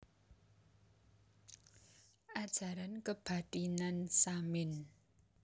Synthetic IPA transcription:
ad͡zaɾankəpʰatʼinansamen

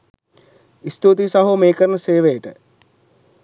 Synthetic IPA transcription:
ist̪ut̪isaɦumeːkəɾənəseːʋejəʈə̰

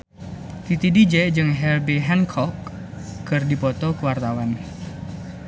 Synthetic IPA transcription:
t̪it̪idid͡ʒɛd͡ʒɨŋɦɛlbeɦɛnkʰɔkː | ɨrdipɔt̪ɔkuwart̪awan

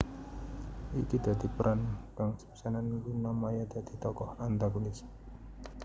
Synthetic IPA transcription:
ʔḭkid̪̥a̤d̪̥i̤pəɾʔankaŋsə̥psanankunamajad̪̥a̤d̪̥i̤t̪ɔkɔhant̪aɡunis

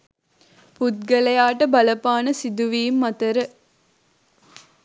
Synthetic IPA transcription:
put̪̚ɡɐlɐjaːʈɐbɐlɐpaːnɐsid̪uʋiːmːɐt̪ɐɾə

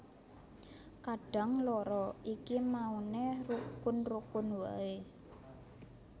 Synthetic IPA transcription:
kaɖ̥a̤ŋlɔɾɔʔikimaunerukʊnrukʊnwa̰e

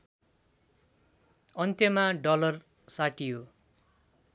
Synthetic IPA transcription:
ʌnt̪jʌmaɖʌlʌr | saʈijo

